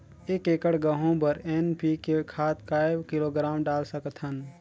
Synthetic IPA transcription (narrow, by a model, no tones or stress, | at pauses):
eːkeːkəɽɡəɦõpəɾenpikekʰaːt̪̚kaːebkiloɡɾaːmɖaːlsəkt̪ʰɦən